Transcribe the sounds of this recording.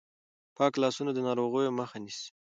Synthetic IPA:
pɑklɑsunod̪ənɑɾoɣəjoməxanis

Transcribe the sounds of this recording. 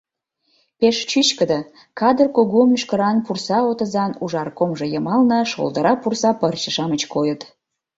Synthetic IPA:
peʃt͡ɕyt͡ɕkəd̪ə | kɑd̪ərkoɣomyʃkəɾɑnpursɑot̪ə̆zɑnuʒɑrkomʒɤ̆jəmɑlnə̆ʃo̰ld̪əɾɑpursɑpərt͡ɕəʃɑmət͡ɕkojət̪

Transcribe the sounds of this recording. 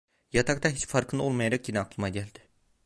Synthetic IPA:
jat̪ʰakt̪aɦit͡ʃfaɾkʰɯnd̪ao̞lˠmajaɾakjinɛːklˠɯmaɟælʲd̪ɪ̥

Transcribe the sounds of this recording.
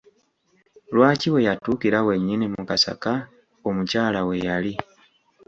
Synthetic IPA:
lwaːciwe̞jatuːkiɾawe̞ɲːinimukasa̰ka | omucaːlawe̞jali

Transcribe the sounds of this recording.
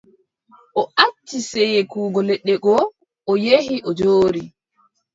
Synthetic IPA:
ʔɔat͡ʃːisɛjɛkuːɡɔlɛɗːɛɡɔ | ʔɔjehiʔɔd͡ʒoːɾi

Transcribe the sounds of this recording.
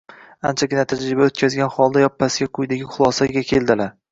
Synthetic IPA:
ant͡ʃʰaɡʲɪnat̪ʰad͡ʒɾɪbaot̪̚kʲazɡʲanχɒlˠd̪ajɒpʰːasɪɡʲaqʰʊjd̪aɡʲɪχʊlˠɒsaɡʲakʲʰe̞lˠd̪ɪlaɾ

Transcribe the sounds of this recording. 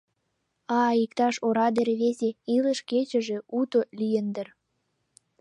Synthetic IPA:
ɑikt̪ɑʃoɾɑd̪eɾβezʲeiləʃket͡ɕə̆ʒĕut̪olʲijənd̪ə̆r

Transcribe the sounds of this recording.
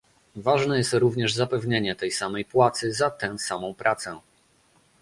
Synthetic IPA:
vaʐnɛjɛst̪ɾuvɲɛʐzapɛvɲeɲɛt̪ɛjsamɛjpwat̪sɘzat̪ɛ̃samɔ̃w̃pɾʔat̪sɛ

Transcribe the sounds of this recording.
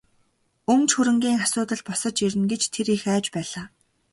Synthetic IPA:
ɵnt͡ɕxuɾɘ̆ŋɡʲiːŋasʊːt̪ə̆ɮpɔsə̆t͡ɕiɾɘ̆nɡet͡ɕt̪ʰeɾixæːt͡ɕpæːɮaː

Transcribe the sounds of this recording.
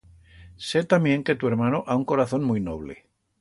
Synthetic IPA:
set̪amjẽ̞ŋket̪ueɾmanoʔauŋko̞ɾaθo̞nmujno̰β̞lḛ

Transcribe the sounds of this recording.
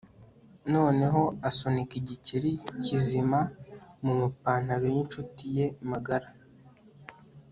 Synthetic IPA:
no̞ːne̞ɦo̞aso̞nikiɟiciɾicizimamumupaːn̥aɾejint͡ʃutije̞maɡaɾa

